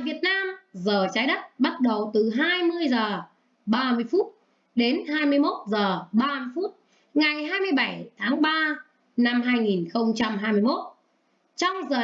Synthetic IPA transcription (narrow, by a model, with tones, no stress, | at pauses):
vi˨˩ət̚naː˧mzəː˨˩t͡ɕaː˨˦jɗə˦˥t̚ɓa˦˥t̚ɗə˨˩wt̪ɨ˨˩ɦaː˧jmɨ˧əjzəː˨˩ | ɓaː˧mɨ˧əjfu˦˥t̚ | ɗe˨˦nɦaː˧jmɨ˧əjmo˦˥t̚zəː˨˩ɓaː˧mɨ˧əjfu˦˥t̚ | ŋa˨˩jɦaː˧jmɨ˧əjɓa˧˩jt̪ʰaː˨˦ŋɓaː˧ | na˧mɦaː˧jŋi˨˩nxə˧wŋ͡mt͡ɕa˧mɦaː˧jmɨ˧əjmo˦˥t̚ | t͡ɕɔ˧wŋ͡mzəː˨˩